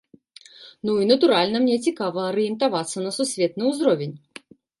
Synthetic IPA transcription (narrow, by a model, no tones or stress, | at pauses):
nuinɐt̪uɾalʲnɐmnʲɛt͡sʲikavɐːɾɨjɛnt̪avat̪sːɐnɐsusʲvʲɛt̪nɨwzɾɔvʲenʲ